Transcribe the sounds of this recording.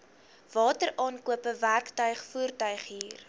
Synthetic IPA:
vɑːtəɾʔɑːnkuəpəværktœɥχfuərtœɥχɦiːr

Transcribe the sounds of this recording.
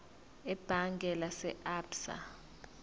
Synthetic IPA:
ɛb̥ʱaŋɡʱɛlasɛʔaːbsa̰

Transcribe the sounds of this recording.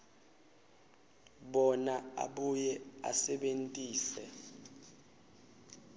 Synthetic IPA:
ɓɔnaa̰ɓujɛa̰sɛɓentʼiːsɛ

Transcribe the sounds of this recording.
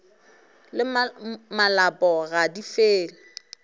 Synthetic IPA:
lɪmmalapʼɔɣadifeːl̩

